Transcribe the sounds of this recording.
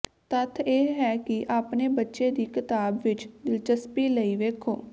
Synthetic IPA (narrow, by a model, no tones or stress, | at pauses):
t̪ət̪ʰeːɦɛːkɪʔaːpneːbətːʃeːd̪iːkɪt̪aːbʋɪt͡ʃd̪ɪlt͡ʃəspiːləiːʋeːkʰo̰ː